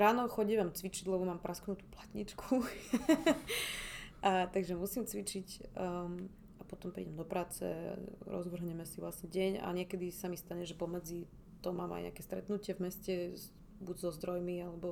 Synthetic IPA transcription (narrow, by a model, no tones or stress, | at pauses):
ɾaːnɔxɔɟiʋamt͡sʋit͡ʃiɟlɛbɔmaːmpɾʔasknut̪u̥plat̪ɲḭt͡ʃkʰu | at̪aɡʒɛmusimt͡sʋit͡ʃic | apɔt̪ɔmpɾḭːɟɛmd̪ɔpɾaːt͡sɛ̰ɾɔ̰zʋr̩ɦɲɛmɛsivʋlasɲɛɟɛɲa̰ɲɪɛkɛd̪isamist̪aɲɛʒɛpɔmɛd͡zi | t̪ɔmaːma̰jɲɛ̰a̰kɛst̪ɾɛ̰t̪nucɪɛvmɛscɛ | buɟzɔzd̪ɾɔjmialɛbɔ